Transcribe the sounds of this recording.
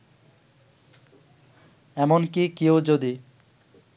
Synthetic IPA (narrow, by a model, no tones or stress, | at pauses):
ɛmonkikeod͡ʑod̪i